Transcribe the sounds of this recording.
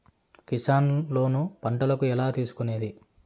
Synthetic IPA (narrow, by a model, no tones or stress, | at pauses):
kisaːnlo̞ːnupɐɳʈɐlɐkuɛlaːt̪iːsu̥kune̞ːd̪i